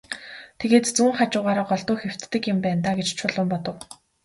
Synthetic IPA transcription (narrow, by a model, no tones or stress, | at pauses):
t̪ʰeɣeːt̪t͡suːŋχat͡ɕʊːʁaːɾaːɢɔɮt̪ʊːxew̥t̪ːɘ̆kjɪ̆mpæːnt̪aːɡet͡ɕt͡ɕʰʊɮʊ̆mpɔt̪ɞ̆w